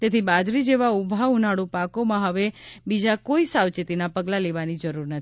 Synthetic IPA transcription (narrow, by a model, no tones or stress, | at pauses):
t̪et̪ʰibad͡ʒɾid͡ʒeʋaubʱaunaɽũpakomãɦəʋebid͡ʒakoisawt͡ʃit̪inapəɡlaleʋanid͡ʒəɾuɾnət̪ʰi̥